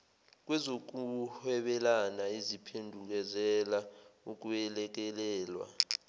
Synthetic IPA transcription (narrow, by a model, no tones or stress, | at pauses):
k̬wɛzok̬uhɛɓɛlanaizipʰendʱuk̬ɛzɛlauk̬uɛlɛk̬ɛlɛːlwa̰